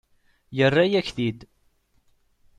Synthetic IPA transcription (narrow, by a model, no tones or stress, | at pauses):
jərˤːajæçθid̪